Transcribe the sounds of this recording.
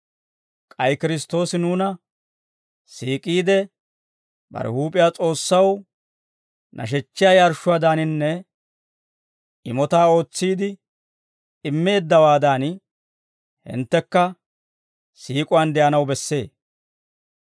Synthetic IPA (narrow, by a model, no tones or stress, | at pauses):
kʼɐjkɪɾɪs̬t̪ːo̞ːsɪnuːnɐ | siːkʼiːd̪ɛ | bɐ̰ɾɛ̰huːpʼɪjaːt͡sʼo̞ːsːɐw | nʔɐ̰ʃ̬ɛt͡ʃːɪjaːjaɾʃʊwaːd̪aːnɪnːɛ | ɪmɔt̪aːo̞ːt͡sːiːd̪ɪ | ɪmːe̞ːd̪ːɐwaːd̪aːn | hɪ̰nt̪ːɛkːɐ | siːkʼʊwand̪ɛʔɐnɐwbɛsːe̞̰ː